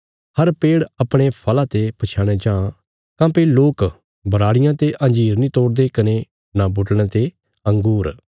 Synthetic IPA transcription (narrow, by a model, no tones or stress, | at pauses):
həɾpeːɽɐpɽ̃epʰɐlãːt̪epɐt͡ʃʰaːɽ̃eːd͡ʒãː | kãːpeloːk | bəɾaːɽɪjãːt̪eʔɐ̃nd͡ʒiːɾnĩːt̪ɔːɾd̪ekɐne | nabʊʈɽ̃ãt̪e | ə̃ŋɡuːɾ